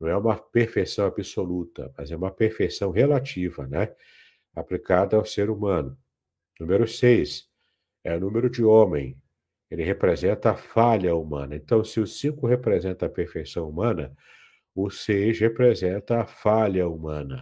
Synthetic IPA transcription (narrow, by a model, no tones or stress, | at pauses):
nnɐ̃w̃ɛũmɐpeɾfejsɐ̃w̃abisolut̪ɐ̰mɐ̰zɛũmɐpeɾfejsɐ̃w̃ɦelat͡ʃivɐnɛ | aplikad̪ɐawseɾumɐ̃nʊ | nũmeɾʊsejs | ɛʊnũmeɾʊd͡ʒɪõmẽj̃ | elɪɦepɾezẽnt̪ɐːfaʎɐumɐ̰̃nɐẽnt̪ɐ̃w̃sɪʊsĩkʊhepɾezẽnt̪ɐːpeɾfejsɐ̃w̃umɐ̃nɐ | ʊsejshepɾezẽnt̪ɐːfaʎɐumɐ̃nɐ